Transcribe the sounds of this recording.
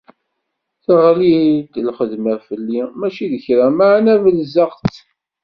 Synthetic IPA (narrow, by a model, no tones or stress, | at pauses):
θaʁlid̪lχəðməfəlːimæt͡ʃiðəçɾæmaʕnævəlzəqt͡s